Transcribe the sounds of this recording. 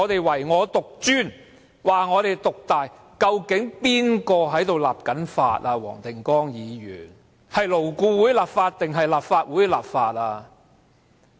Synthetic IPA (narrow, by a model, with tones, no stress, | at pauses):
ɔː˨˧t̪e˨jwɐ˨˩jŋɔː˨˧t̪ʊ˨k̚t͡ʃyː˥˩n | waː˨ŋɔː˨˧ɾe˨jt̪ʊ˨k̚t̪aː˨j | kɐ˧wkɪ˨˥ŋpiː˥nkɔː˧ɦɐ˨˥jt̪o˨wla̰ː˨p̚kɐ˨˥nfa̰ː˧t̚aː˧wɔ̰ː˨˩ŋt̪ɪ˨˩ŋkɔː˥ŋjiː˨˧jy̰ː˨˩n | hɐ˨jlo˨˩wkuː˧wuː˨˥jlaː˨˩pfaː˧t̚t̪ɪ˨ŋɦɐ˨jlaː˨pfaː˧t̚wuː˨˥jla̰ː˨p̚faː˧t̚aː˧